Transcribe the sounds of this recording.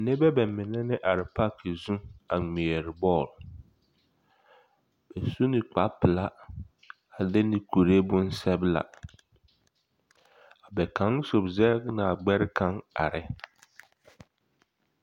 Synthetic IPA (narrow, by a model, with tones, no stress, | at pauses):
nɪ̃˦bɛ˦bɛ˨˦mɪ̃˨nɛ̃˦nɪ̃˦ʔa˨ɾɪ˨pʰa˦kʰe˨zũ˦a˨ŋĩ˨ɛ˨ɾɪ˨bɔː˦˨l | b̥ɛ˨su˦nɪ̃˨k͡pa˨˦pʰɪ˨la˦ | a˨lɛ˦nɪ̃˦˨kʰu˨ɾe˦bʊ̃˦n̩˦sɛ˦bla̰˨ | a˨bɛ˨kʰã˨˦n˦so˨bzɛ˦knã˨a˨ɡ͡bɛ˦ɾɪ˦kʰã˦ŋa̰˨ɾɪ˦